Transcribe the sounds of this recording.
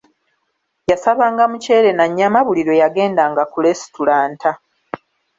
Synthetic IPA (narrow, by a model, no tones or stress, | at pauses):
jasaβaːŋɡamuce̞ːɾe̞naɲːamaβuliɾo̞jaɡe̞ːndaːŋɡakule̞si̥tulaːntʰa